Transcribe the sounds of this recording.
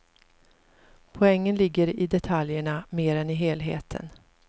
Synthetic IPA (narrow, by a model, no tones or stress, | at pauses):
pʰɔɛŋːənlɪɡːəɾɪd̪ɛt̪ʰaljəɳameːɾɛnɪɦeːlɦḛːt̪ʰə̰n